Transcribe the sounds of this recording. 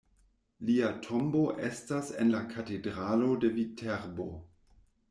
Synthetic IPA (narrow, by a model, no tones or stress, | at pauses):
liatʰomboʔestasenlakʰatedɾalo̞de̞vitʰeɾbo